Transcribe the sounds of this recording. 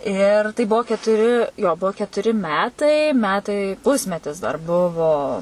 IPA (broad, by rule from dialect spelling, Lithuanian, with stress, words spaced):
ɪr tɐɪ ˈbuɔ kʲɛtʊˈrʲɪ joː ˈbuɔ kʲɛtʊˈrʲɪ ˈmʲæːtɐɪ ˈmʲæːtɐɪ ˈpʊsʲmʲɛtʲɪs dɐr ˈbʊʋoː